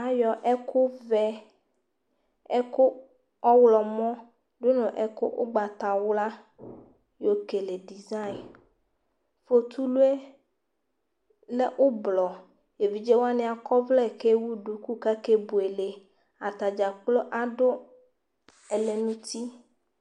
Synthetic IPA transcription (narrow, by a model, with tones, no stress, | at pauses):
a˦jɔ˨ʔɛ˦kʰʊ˦vɛ˦ | ɛ˦ko˦ | ɔ˦wlɔ˨mɔ̃˦ | do˦nɔ̃˨ʔɛ˦ko˦ʔo̰˦ɡ͡ba˨t̪a˨wla˦ | jo˦ke˨le˨ɖi˨za˦i˨n | fo˨t̪ʰu˦lu˦e˦ | lɛ˦ʔo˦blɔ˨ | je˨vi˨d͡ʒe˦wa˦nɪ̃˦a˨kɔ˦vlɛ˦ɛ˨ke˦wu˦ɖu˨ku˦ka˦ke˦bu˨e˨le˨ | a˨t̪a˨d͡ʒa˨k͡plo˦ʔa˨ɖo˦ | ɛ˨le˨nũ˦t̪i˦